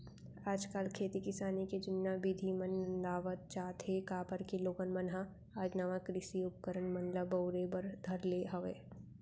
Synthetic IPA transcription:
aːd͡ʒkaːlkʰeːt̪ikɪsaːniked͡ʒɪnːabid̪ʱimɐnːɐnd̪aːʋət̪̚t͡ʃaːt̪ekaːpəɾkiloːɡənmɐnɦa | aːd͡ʒnaːʋakɾɪsiʊp̚kəɾənmɐ̃nləbɐʊɾebəɾd̪ʱɐɾleɦɐʋḛː

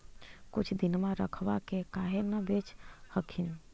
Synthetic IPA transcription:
kut͡ʃʰd̪inmaɾəkʰʋakekaɦenəbet͡ʃhəkʰin

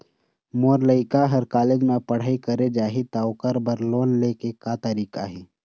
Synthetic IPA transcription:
moːɾləɪkaɦɐɾkaːleːd͡ʒmẽpəɽ̤aːikəɾed͡ʒaːɦit̪aʊkəɾbəɾloːnleːkekat̪əɾiːkaɦɛː

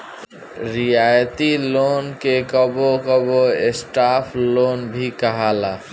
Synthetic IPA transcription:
ɾijajt̪ilonkekəbokəboesʈapʰlonbʱikəɦala

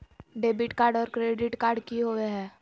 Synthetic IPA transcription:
ɖeːbɪʈkaːɾɖɔːɾkɾeːɖɪʈkaːɾɖkiɦoːʋeɦɛ̃ː

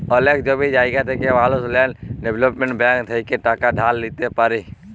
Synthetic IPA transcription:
oleːkd͡ʒoːbʱid͡ʒaːiɡat̪ʰekeʋaːlosleːnɖebləpmẽɳʈbɛ̃ːŋkd̪ʰʱeikeʈaːkaɖʱaːlːiːt̪epəɾiː

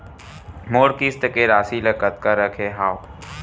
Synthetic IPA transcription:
moːɾkist̪əkeːɾaːsiləkət̪̚kaɾəkʰeːɦaːw

